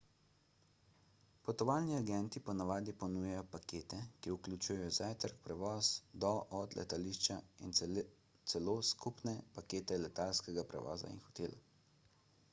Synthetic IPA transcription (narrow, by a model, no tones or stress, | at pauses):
pɔt̪ɔʋaːlniaɡɛnt̪ipɔnaʋaːd̪ipɔnuːjɛjɔpakeːt̪ɛkiuklʲut͡ʃuːjɛjɔzajt̪əɾk̚pɾɛʋɔːsd̪ɔʔɔd̪lʔɛ̰t̪aliʃt͡ʃain | t̪sɛloːskupnɛpakeːt̪ɛlɛt̪alskɛɡapɾɛ̰ʋɔ̰ːza̰ḭnxɔ̥t̪eːla